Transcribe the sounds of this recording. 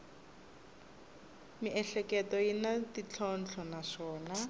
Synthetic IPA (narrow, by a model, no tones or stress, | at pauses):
miʔɛɬɛkɛtɔjinatit͡ɬʰɔn̩t͡ɬʰɔnaʂɔːna